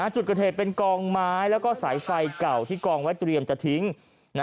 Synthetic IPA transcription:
a˧˩t͡ɕu˨˩t̪̚ka˧t̪ʰeː˨˩t̪̚pe˧nkɔː˧ŋmaː˥˦˥jlɛː˦˥wkɔː˥˩saː˩˦jfa˧jka˨˩wt̪ʰiː˥˩kɔː˧ŋwa˦˥jt̪ɾi˧əmt͡ɕa˨˩t̪ʰi˦˥ŋ | na˦˥

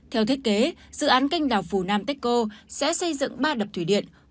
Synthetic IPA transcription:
t̪ʰɛ˧wt̪ʰe˦˥t̚ke˨˦zɨ̰˧˨ʔaː˨˦nka˧jŋ̟ɗaː˨˩wfu˧˩naː˧mt̪ɛ˦˥k̚ko˧sɛ̰˧˥sə˧jzɨ̰˧˨ŋɓaː˧ɗə˨˩p̚t̪ʰwi˧˩ɗḭ˧˨ən

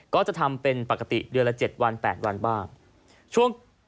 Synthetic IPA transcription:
kɔː˥˩t͡ɕa˨˩t̪ʰa˧mpe˧npa˨˩ka˧˩t̪ḭ˨˩dɯ˧əla˧˥t͡ɕe˨˩t̪̚wa˧npɛː˨˩t̪̚wa˧nbaː˥˩ŋ | t͡ɕʰu˥˩əŋ

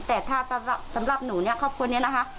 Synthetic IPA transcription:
t̪ɛː˨˩t̪ʰaː˥˩sa˧˦a˨˩sa˨˩˦mɾa˨˩p̚nuː˩˦ni˥˩ɐkʰɔː˥˩p̚kʰu˧əni˦˥ɐ˨na˦˥kʰa˦˥

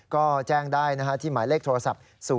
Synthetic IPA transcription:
kɔː˥˩t͡ɕɛː˥˩ŋdaː˥˩jna˦˥kʰa˦˥t̪ʰiː˥˩maː˩˦jleː˥˩k̚t̪ʰːɾa˧sa˨˩p̚ | suː˨˩˦

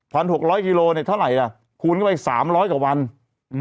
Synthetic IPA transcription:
pʰa˧nhu˨˩ək̚ɾɔː˦˥jki˧loː˧ni˥˩t̪ʰa˥˩wɾa˨˩˦ja˧˩ | kʰuː˧nkʰa˥˩pa˧˩sa̰ː˩˦mɾɔː˦˥jkaː˨˩wa˧n

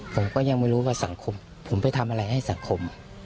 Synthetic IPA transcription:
pʰo˩˦mkɔː˥˩ja˧ŋma˥˩jɾuː˦˥waː˥˩sa˩˦ŋkʰo˧m | pʰo˨˩˦mpa˧jt̪ʰa˧mʔa˧ɾa˧jha˥˩jsa˩˦ŋkʰo˧m

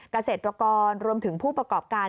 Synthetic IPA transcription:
ka˧seː˨˩t̪̚ɾa˧kɔː˧nɾu˧əmt̪ʰɯ˩˦ŋpʰuː˥˩pɾa˧kɔː˨˩p̚kaː˧

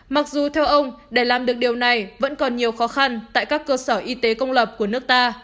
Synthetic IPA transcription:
ma˨˩k̚zu˨˩t̪ʰɛ˧wʔə˧wŋ͡mɗe˧˩laː˨˩mɗɨ˨˩ək̚ɗi˨˩əwna˨˩jvə̰˧˥nkɔ˨˩nɲi˨˩əwxɔ˨˦xa˧nt̪a̰ː˧˨jkaː˦˥kːəː˧səː˧˩ʔi˧t̪e˨˦kə˧wŋ͡mləː˨˩p̚ku˧˩ənɨ˦˥ək̚t̪aː˧

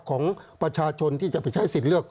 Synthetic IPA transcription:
kʰɔː˩˦ŋpɾa˧t͡ɕʰaː˧t͡ɕʰo˧nt̪ʰiː˥˩t͡ɕa˨˩pa˧˩jt͡ɕʰa˦˥˩jsi˨˩lɯ˥˩ək̚

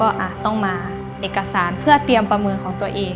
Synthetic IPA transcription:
ɔː˥˩ʔaː˨˩t̪ɔ˥˩ŋmaː˧ | ʔeː˨˩kːa˧saː˨˩˦npʰɯ˥˩ɐt̪i˧əmpɾa˧mɤː˧nkʰɔː˩˦ŋt̪u˧ɐʔeː˨˧

